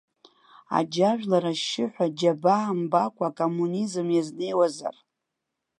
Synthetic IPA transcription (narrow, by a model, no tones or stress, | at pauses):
a̰d͡ʒaʒᶣlaɾaʃːɪħʷᶣad͡ʒabambakʷʰʼakʼomunizɨmjazne̞jwaza̰r